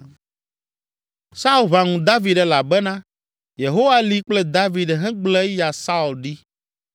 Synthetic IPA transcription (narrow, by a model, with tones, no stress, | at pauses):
sa˦u˦lβa˨ŋũ˨d̪a˦vi˨ɖɛ˨la˨bɛ˦nã˦ | je˨ɦo˦wa˦li˦k͡plɛ˦d̪a˦vi˨ɖɦɛ̃˦ɡ͡blɛ˦ja˨sa˦u˨lɖi˦